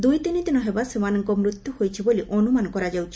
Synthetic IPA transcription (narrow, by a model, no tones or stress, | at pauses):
d̪ujt̪init̪inɔɦebasimanɔŋkomɾut̪ːuhojt͡ɕʰiboliʔonumankɔɾad͡ʑawt͡ʃʰ